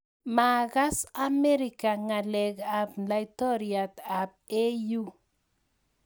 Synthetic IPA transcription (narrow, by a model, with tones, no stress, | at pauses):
ma˨ɣa˦sa˦mɛ˦ɾi˨ka˨ŋa˨lɛ˨ɡa˨pla˨jtɔ˦ɾia˨t̪a˨p̚e˦ju˦